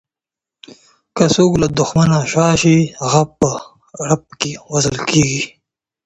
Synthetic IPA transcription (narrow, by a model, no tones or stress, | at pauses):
kasoːklad̪ʊxmanaɕɑːʃihaɣapə | ɾap̚kewɐzəlkeːɡi